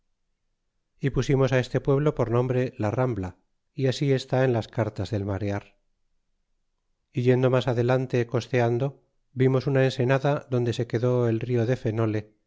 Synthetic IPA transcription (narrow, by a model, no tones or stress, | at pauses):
ipusimo̞sae̞st̪e̞pwe̞βlo̞po̞ɾnõ̞mbɾe̞larambla | iasie̞st̪ae̞nlaskaɾt̪azðe̞lmaɾeaɾ | iʝe̞nd̪o̞masaðe̞lant̪e̞ko̞st̪e̞and̪o̞ | bimo̞sunaense̞naðaðo̞nd̪e̞se̞ke̞ðo̞e̞lrio̞ðe̞fe̞no̞le̞